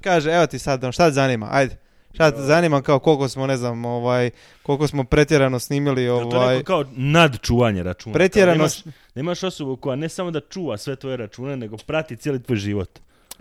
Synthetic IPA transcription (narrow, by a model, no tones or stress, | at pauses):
kaːʒeeʋo̞t̪isad̪oʃt̪at̪zanima̰ʔa̰jd̪e | ʃt̪at̪zanimamkaoko̞lˠko̞smone̞znamo̞ʋaːj | ko̞lˠko̞smo̞pɾe̞t̪jeɾano̞sniːmilioʋ̪oaːjkaonad̪t͡ʃuːʋaɲeɾat͡ʃuːnpɾet̪jeɾano | d̪aimaʃo̞sobuko̞jane̞samo̞d̪at͡ʃuːʋasʋe̞t̪ʋo̞jeɾat͡ʃuːne̞ne̞ɡo̞pɾat̪it̪ʲjelit̪ʋoːjʒiːʋot̪